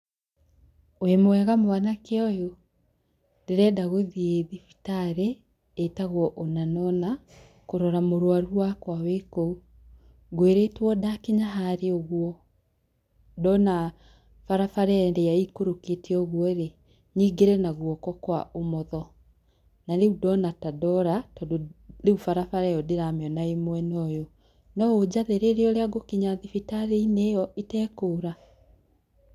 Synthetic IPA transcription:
wemowɛɣamwanakeɔjo | deɾɛdaɣoðieðifi̥taɾeː | taɣwɔʔonanɔna | koɾɔɾamoɾwaɾuwakwawekou | ɣweɾetwɔdakeɲaɦaɾeoɣwɔ | dɔna | faɾafaɾɛɛndɛaikoɾoketeɔɣwɔɾe | niːɡeɾɛnaɣwɔkɔkwaomɔðɔ | naɾeudɔnatadɔɾatɔdoneufaɾafaɾɛjɔdeɾameɔnaemwɛnɔjo | nɔod͡ʑaðeɾeɾeɔɾeaɡokiɲaðifitaɾeinejɔʔitɛːkoːɾa

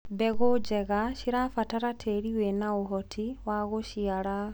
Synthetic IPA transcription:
bɛɣod͡ʒɛɣaʃiɾafataɾatʰeɾiwɛnaoɦɔtʰiwaɣoʃiaɾa

